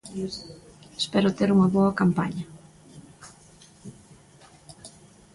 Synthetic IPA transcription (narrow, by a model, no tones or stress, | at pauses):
espɛɾʊt̪eɾuŋɐβoɐkampa̰ɲɐ